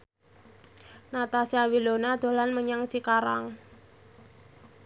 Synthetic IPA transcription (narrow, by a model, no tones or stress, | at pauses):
nat̪asiawilonad̪̥o̤lanməɲaŋt͡ʃikaɾaŋ